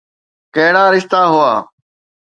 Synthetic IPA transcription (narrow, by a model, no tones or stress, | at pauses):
kəɦɽaːɾɪʃt̪aːɦʊaː